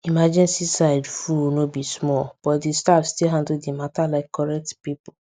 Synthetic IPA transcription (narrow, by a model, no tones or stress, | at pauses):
imad͡ʒĩnsisaɪdfunobismɔlb̥ɔtdistafstilɦãndl̩dimatalaɪkʰːɔɹɛk̚tpipʊ